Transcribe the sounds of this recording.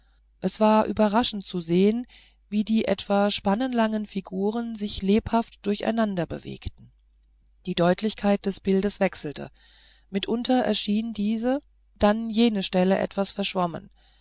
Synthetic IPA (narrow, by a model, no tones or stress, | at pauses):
ʔɛsv̥aːɐʔy̰ːbɐʁaʃn̩tt͡suzeːən | viːdiːʔɛtv̥aʃpanənlaŋənfiɡuːʁ̞ənzɪçleːphaftd̥ʊɐça̰ɪnandɐbə̰vḛːktn̩ | d̥iːdɔʏtʰlɪçkʰaɪt̚d̥ɛsb̥ɪldəsv̥ɛksl̩tə̰ | mɪtʔʊntʰɐʔɛ̰ɐʃiːndiːzə | d̥anjeːnəʃtɛləʔɛ̰tv̥asfɛɐʃv̥amə̰n